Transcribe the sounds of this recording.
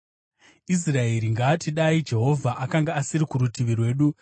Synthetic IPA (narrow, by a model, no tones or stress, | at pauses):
is̬rae̞ɾiŋɡaːtiɗaid͡ʒe̞ɦo̞vʱaʔakaŋɡaːsiɾikuɾutiʋirwe̞ːɗu